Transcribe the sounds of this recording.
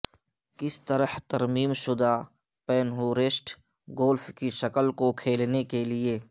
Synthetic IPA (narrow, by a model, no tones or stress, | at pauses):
kɪst̪ɐɾəht̪ɐɾmiːmʃʊd̪aː | pɛːnɦuːɾɪsʈ | ɡoːlfkiʃɐkəlkokʰeːlnekelɪeː